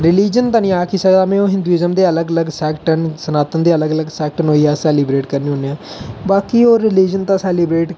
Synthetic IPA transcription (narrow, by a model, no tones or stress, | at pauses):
ɾɪliːd͡ʒənt̪ãːnĩːaːkiːsəɡd̪aːmɛ̃ːoːɦɪ̃nd̪uiːzəmd̪eːələɡələɡsɛːkʈənsənaːt̪ənd̪eːələɡələɡsɛːk̚ʈənɦoːiːaːsɛːlibɾeːʈkəɾniːɦʊ̃neːãː | baːkiːoːɾɪliːd͡ʒənt̪ãːsɛːliːbɾeːʈ